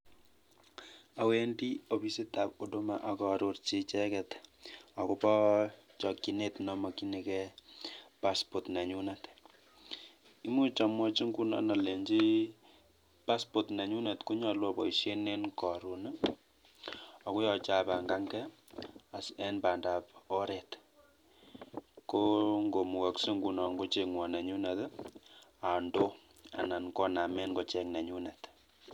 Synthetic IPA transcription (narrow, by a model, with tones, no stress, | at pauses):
a˨we˦ndi˦o˨pi˦se˦ta˨po˨do˦ma˨ʔa˨kɔ˨ɾo˨˦rt͡ʃi˦t͡ʃɛ˦kɛ˨ta˨ku˦pɔ˦t͡ʃɔ˨ki˨ne˦tnɔ˦mɔ˨ki˦ni˨kɛ˦ | pa˦spo˨tnɛ˨ɲu˦na˨t | i˦mu˦t͡ʃa˨mwɔ˦t͡ʃi˦ŋɡu˦na̰˨na˨le˨ɲd͡ʒi˦ | pa˦spo˨tnɛ˨ɲu˦ne˨tku˦ɲɔ˨lwɔ˦bɔ̰˨i˨ʃje˦ne˦nkɔ˨ɾu˨n˦ | ɔ˨ku˦jɔ˨t͡ʃa˦˨pa˨ŋɡa˦ŋɡɛ˦a˨sɛ˦npa˨nda˨po˦ɾe˨t | ko˦ŋɡo˨mu˨ɣa˨kse˦ŋɡu˦nɔ˨ŋɡo˦t͡ʃe˨kŋwɔ˨nɛ˨ɲu˦na˨t | a˨ndo˦ | a̰˨na˨nkɔ˦na˨mɛ˦nɡo˦t͡ʃɛ˦knɛ˨ɲu˦nɛ˨t